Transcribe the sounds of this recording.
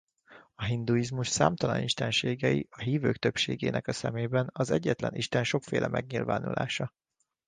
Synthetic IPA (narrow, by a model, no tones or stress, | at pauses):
ɒɦind̪uizmuʃsaːmt̪ɒlɒniʃt̪ɛnʃeːɡɛjḭʔɒɦiːvøːkt̪ø̞pʃeːɡeːnɛkɒsɛmeːbɛnɒzɛɟːɛt̪lɛnʔiʃt̪ɛnʃo̞kfeːlʔɛmʔɛɡɲilva̰ːnṵlʔa̰ːʃɒ